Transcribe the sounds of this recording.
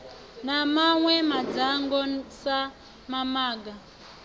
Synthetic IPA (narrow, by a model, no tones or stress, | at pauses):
namaŋwɛmad͡zaŋɡɔsa | mamaːɡa